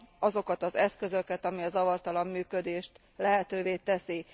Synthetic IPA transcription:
ɒzo̞kɒt̪ɒzɛskø̞zø̞kɛt̪ɒmiɒzɒvɒrt̪ɒlɒmːyːkø̞d̪eːʃt̪ | lɛɦɛt̪øːveːt̪ɛsi

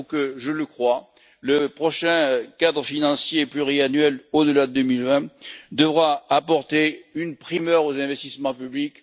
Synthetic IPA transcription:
kəʒələkχwa | ləpχɔʃɛ̃kad̪ʁəfinɑ̃sjeplyʁianɥɛlod̪əlad̪əd̪əmilvɛ̃d̪əvʁaapɔʁt̪eynpχimœʁozɛ̃vɛst̪ismɑ̃pyblik

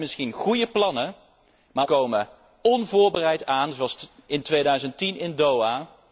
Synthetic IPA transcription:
mɪsχinχujəplɑnə | maːkowmə | ɔnvʊːɹbərɛjtaːnzɑlsɪntʋejdœɥzəntinɪndowaː

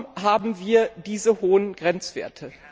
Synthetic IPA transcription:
ɦaːbm̩viːɐd̥iːzəɦoːənɡ̥ʁɛnt͡sv̥ḛːɐtʰə

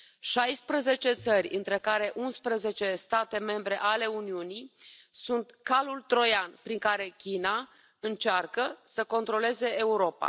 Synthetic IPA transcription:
ʃajspɾəze̞t͡ʃe̞t̪sərʲɨnt̪ɾe̞kaɾe̞ʔunspɾəze̞t͡ʃe̞st̪at̪e̞me̞mbɾe̞ʔale̞uniunisunt̪kalult̪ɾo̞janpɾiŋkaɾe̞kʲina | ɨnt͡ʃarkəsəko̞nt̪ɾo̞le̞ze̞ːuɾo̞pa̰

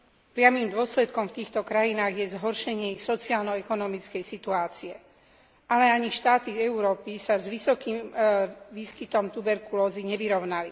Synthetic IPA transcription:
pɾɪamimd̪ʊɔslɛt̪kɔmft̪iːxt̪ɔkɾajinaːɣjɛzɦɔɾʃɛɲɪɛixsɔt͡siaːlnɔɛkɔnɔmit͡skɛjsit̪uaːt͡siɛ | alɛaɲiʃt̪aːt̪iɛuɾɔːpisazʋisɔkiːm | ʋiːskit̪ɔmt̪ubɛɾkulɔːziɲɛʋiɾɔʊnali

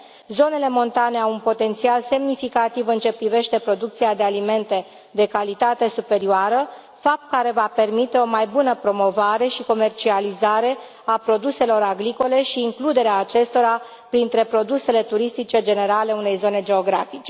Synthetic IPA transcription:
zo̞ne̞le̞mo̞nt̪ane̞awunpo̞t̪e̞nt̪sialse̞mnifikat̪ivɨnt͡ʃe̞pɾive̞ʃt̪e̞pɾo̞d̪uk̚t̪siad̪e̞alime̞nt̪e̞ | d̪e̞kalit̪at̪e̞supe̞ɾioaɾə | fap̚t̪̚kaɾe̞vape̞rmit̪e̞o̞majbunəpɾo̞mo̞vaɾe̞ʃiko̞me̞rt͡ʃializaɾe̞ | apɾo̞d̪use̞lo̞ɾaɡɾiko̞le̞ʃiːŋklud̪e̞ɾeaːt͡ʃe̞st̪o̞ɾa | pɾint̪ɾe̞pɾo̞d̪use̞le̞t̪uɾist̪it͡ʃe̞d͡ʒe̞ne̞ɾale̞une̞jzo̞ne̞d͡ʒe̞o̞ɡɾafit͡ʃe̞̥

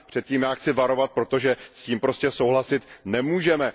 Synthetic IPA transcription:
pr̥ɛt̪̚ciːmjaːxt͡sɪvaɾo̞vat̪̚pɾo̞t̪o̞ʒɛsciːmpɾo̞scɛsowɦlasɪt̪nɛmuːʒɛmɛ

